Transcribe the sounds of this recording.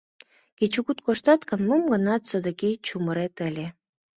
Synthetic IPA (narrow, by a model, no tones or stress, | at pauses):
ket͡ɕukut̪̚koʃt̪ɑt̪kə̆nmumɡə̆nɑt̪sod̪əkejt͡ɕuməɾet̪əlʲe